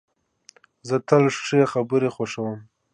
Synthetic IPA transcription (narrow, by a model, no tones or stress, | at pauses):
zət̪alʂʂeaxabəɾexoʂawəm